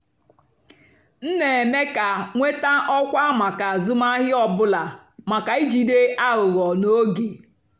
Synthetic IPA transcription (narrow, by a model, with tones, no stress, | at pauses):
n̩˦ne˨e˨me˦ka˨ŋʷe˦ta˦ʔɔ˦kʷa˦ma˨ka˨zʊ˦ma˦ɦɪ˦ɔ˨bʊ˦la˨ | ma˨ka˨i˦d͡ʒi˨de˦a˦ɣʊ˨ɣɔ˨no˦ɡe˨